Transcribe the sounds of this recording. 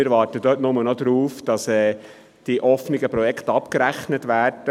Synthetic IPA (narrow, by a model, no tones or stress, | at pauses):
ɪɾʋɑːɾtəd̥øːtnʊmənɔd̪ɾuːfd̥ɑsɛː | d̥iʔɔfnɪɡəpɾɔjɛkʰt̪ɑpkəɾæχnətʋæːɾd̥ə